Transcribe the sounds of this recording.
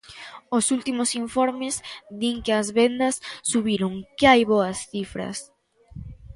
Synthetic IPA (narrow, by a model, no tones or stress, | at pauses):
osult̪imosiɱfoɾmɪzd̪iŋkɪɐzβend̪ɐsːuβiɾoŋkɪajβoɐsθifɾɐ̰s